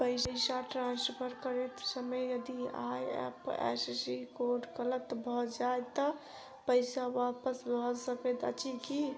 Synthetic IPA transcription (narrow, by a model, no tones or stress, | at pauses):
pəɪəɪsaʈɾãnspʰəɾkəɾet̪səməjjəd̪ia̰jɛ̰pḛssikoɖkələt̪bʱɔd͡ʒajt̪ːɔ | pəɪsawapəsbʱɔsəkɛt̪ə̰t͡ʃiki